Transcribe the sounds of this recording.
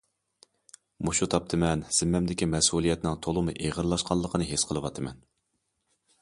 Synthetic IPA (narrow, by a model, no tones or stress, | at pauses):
muʃut̪ʰɑp̚t̪ʰɨmɛnz̥ɪmːɛmd̪ɪkʲimɛsulˠijɛt̪nɪŋt̪ʰolˠɨmuʔeʁəɾlˠɑʃqɑlˠːəqʰənɨɦesqʰəlˠɨwɑt̪ʰɨmɛn